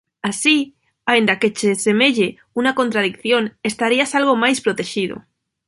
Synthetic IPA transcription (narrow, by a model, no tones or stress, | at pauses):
asi | aend̪ake̞t͡ʃese̞me̞ʎe | unako̞nt̪ɾaðikθjo̞ne̞st̪aɾiasalɣ̞o̞majspɾot̪e̞ʃið̞o̰